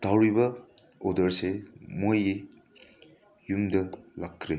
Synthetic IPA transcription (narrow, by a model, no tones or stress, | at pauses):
d̥awɾibɐ | odɐɾsemoji | jumdɐlakʰːɾe